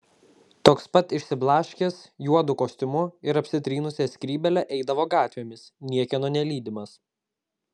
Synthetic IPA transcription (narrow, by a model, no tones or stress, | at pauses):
t̪oːkspɐt̪ɪʃʲsʲɪblˠɑːʃʲkʲeːsjuɔd̪ʊkoːsʲt̪ʲʊmʊɪɾɐpʲsʲɪt̪ʲɾʲiːnʊsʲɛsʲkʲɾʲiːbʲɛlʲɛʔɛɪd̪ɐʋoːɡɑːt̪ʲʋʲeːmʲɪsnʲiɛkʲɛnoːnʲɛlʲiːd̪ʲɪmɐs